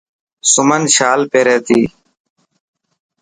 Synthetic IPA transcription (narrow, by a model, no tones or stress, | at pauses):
sʊmənʃaːlpeːɾeːt̪iː